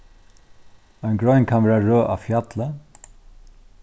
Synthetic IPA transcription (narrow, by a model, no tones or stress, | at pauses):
ɔnɡɹɔjnkʰanʋɛːɹaɹøːʔa̰fjat̪lə